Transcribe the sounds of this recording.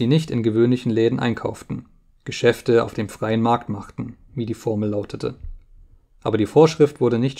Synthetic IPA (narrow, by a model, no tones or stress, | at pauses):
ziːnɪçtɪnɡəvøːnlɪçn̩lɛːdn̩ʔa̰ɪnkʰa̰ʊftn̩ | ɡ̥əʃɛftəa̰ʊfd̥eːmfʁ̥aɪənmaɐktmaχtn̩ | viːdiːfɔɐml̩ːaʊtʰətʰə̰ | ʔaːbɐdiːfoːɐʃʁ̥ɪftv̥ʊɐɾənɪçt